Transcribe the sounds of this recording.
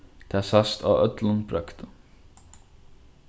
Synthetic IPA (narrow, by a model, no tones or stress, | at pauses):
t̪ʰɛːsast̪ʰa̰œt̪lənbɾœkt̪ə